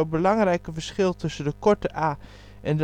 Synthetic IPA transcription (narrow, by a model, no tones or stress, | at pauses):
owbəlɑŋrɛjkəvəɹsχɪlˠtɵsəndəkɔɹtəʔaː | ʔɛndə